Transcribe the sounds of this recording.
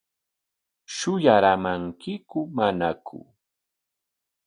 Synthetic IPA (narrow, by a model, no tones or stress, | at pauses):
ʃʊjaɾamaŋkɪkʊmanakʰʊ̰